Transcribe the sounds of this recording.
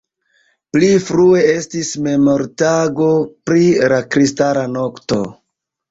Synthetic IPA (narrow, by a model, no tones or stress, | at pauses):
plifɾue̞e̞stisme̞mo̞ɾtaɡo̞pɾilakɾistaɾano̞kto̞̰